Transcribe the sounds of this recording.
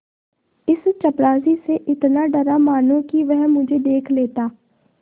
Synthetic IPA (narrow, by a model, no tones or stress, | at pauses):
ɪst͡ʃɐpɾaːziseʔɪt̪naɖɐɾamaːnõkiʋɛɦmʊd͡ʒʱed̪eːkʰleːt̪aː